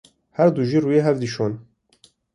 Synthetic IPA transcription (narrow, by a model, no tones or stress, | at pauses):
hæɾd̪uʒiːruːjeːɦɛvd̪iʃoːn